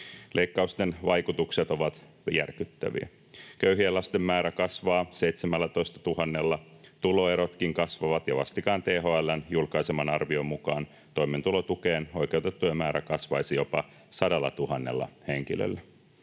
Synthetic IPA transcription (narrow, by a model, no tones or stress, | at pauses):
lʔeikːɑust̪enʋɑjkut̪ukset̪o̞ʋɑt̪ | jæ̰rkyt̪ːæ̰ʋḭæ̰ | køyɦielɑst̪emːæːɾækɑsʋɑːseit̪semælːæt̪o̞ist̪ɑ̥t̪uɦɑnːe̞lːɑt̪ulo̞eɾo̞t̪kiŋkɑsʋɑʋɑt̪jɑʋɑst̪ikɑːnt̪eːɦoelːɑnjulkɑjsemɑnɑrʋio̞mːukɑːn | t̪o̞imːent̪ulot̪ukeːnojke̞wt̪et̪ːuemæːɾækɑsʋɑjsijo̞pɑ | sɑdɑlːɑt̪uɦɑnːḛlːɑ̰heŋk̟ilø̰lːæ